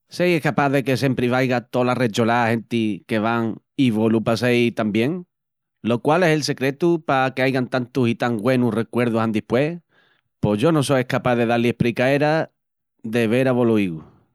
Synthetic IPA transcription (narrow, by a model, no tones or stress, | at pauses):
sejehkapaðe̞ke̞s̬e̞mpɾiβajɣat̪o̞laret͡ʃolahe̞nt̪ike̞βaŋ | iβolupasejt̪ambje̞ŋ | lo̞kwale̞se̞lse̞kɾe̞t̪upakeajɣant̪ant̪usit̪aŋɡwe̞nure̞kwe̞ɾð̞uɦand̪ihpwe̞ | po̞ʝo̞no̞sojehkapaðe̞ðaliehpɾikae̞ɾa | ðe̞β̞e̞ɾaβo̞loiɣu